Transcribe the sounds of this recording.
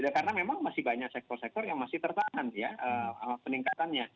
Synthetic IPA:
dakarənamemaŋmasɪhbaɲak̚sɛk̚t̪ɔrsɛk̚t̪ɔrjaŋmasɪht̪ərt̪aŋanjaʔəaapəniŋkat̪anɲa

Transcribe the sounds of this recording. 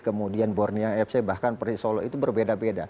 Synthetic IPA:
kəmudianbɔrnijaŋɛf̚sabahkanpərisolɔit̪ubərbedabeda̰

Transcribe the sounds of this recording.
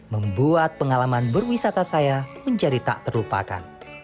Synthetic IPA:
məmbuat̪̚pəŋalamanbərwisat̪asajaməɲd͡ʒadit̪a̰ʔt̪ərlupa̰ka̰n

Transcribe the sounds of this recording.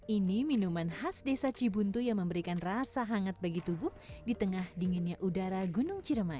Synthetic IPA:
ʔiniminumanhasdesat͡ʃibunt̪ujaŋməmbəɾikanrasaɦaŋat̪̚baɡit̪ubʊhdit̪əŋahdiŋɪnɲaʔudaɾaɡunʊŋt͡ʃiɾəmai

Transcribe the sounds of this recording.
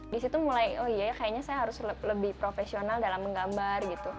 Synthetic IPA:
disit̪umulajɔijajakajaɲasajaɦaɾʊslləbɪhpɾofesionaldalamːəŋɡambarɡit̪u

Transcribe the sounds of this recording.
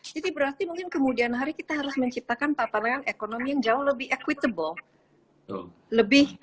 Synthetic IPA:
d͡ʒadibəɾart̪imuŋkɪnkəmudianɦaɾikit̪aɦaɾʊsməɲt͡ʃip̚t̪akant̪at̪anaŋanekonomijaŋd͡ʒaʊhləbɪɦekwit̪əbəl̰ | ləbɪh

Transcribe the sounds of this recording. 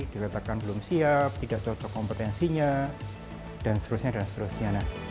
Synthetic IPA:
d̥ikat̪akanbəlʊmsiap̚t̪idaʔt͡ʃɔt͡ʃɔkːɔmpət̪ɛnsiɲa | d̥anst̪əɾusɲadanst̪əɾusɲanah

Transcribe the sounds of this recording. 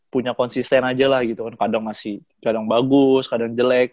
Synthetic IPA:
puɲakɔnsist̪ɛnad͡ʒalahɡit̪ukankadaŋmasɪh | kadaŋbaɡʊskadaŋd͡ʒəlɛk̚

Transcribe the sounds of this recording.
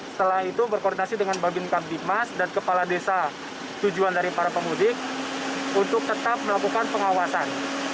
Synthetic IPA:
st̪əlaɦit̪ubərkɔrdinasidəŋanbaɡɪnkar̚dimasdankəpaladesa | t̪ud͡ʒuandaɾipaɾapəmudɪk̚ | unt̪ʊk̚t̪ət̪ap̚məlakukanpəŋawasan

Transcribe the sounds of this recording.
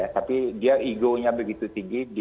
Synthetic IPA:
at̪apidiaʔiɡoɲabəɡit̪ut̪iŋɡidi

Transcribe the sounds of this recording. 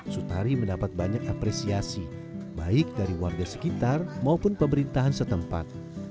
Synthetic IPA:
sut̪aɾiməndapat̪̚baɲakapɾɛsiasi | baɪk̚daɾiwarɡasə̥kit̪armaupʊnpəmbəɾint̪aɦansət̪əmpa̰t̪̚

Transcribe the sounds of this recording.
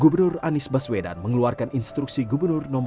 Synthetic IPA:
ɡubərnʊranɪsbasweda̰nməŋəluarkaninst̪ɾuksiɡubərnʊrnɔm

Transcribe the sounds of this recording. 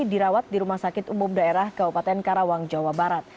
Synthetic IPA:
diɾawat̪̚diɾumahsakɪt̪umʊmdaeɾahkabupat̪ɛnkaɾawaŋd͡ʒawabaɾat̪̚

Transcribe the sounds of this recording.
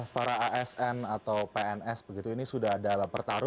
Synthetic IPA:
hpaɾaʔaɛsɛnat̪awpeɛnɛsbəɡit̪uinisudaɦadalapərt̪aɾʊ

